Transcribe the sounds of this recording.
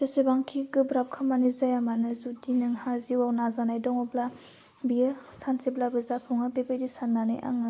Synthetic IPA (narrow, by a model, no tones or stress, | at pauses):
pesebaŋkʰiɡɯbɾap̚kʰamanizajamanɯzudinɯŋhaziwawnazanajdɔŋɔbla | biɯsanseblabɯzapʰuŋabebejdisanːanɯ̰jʔa̰ŋɯ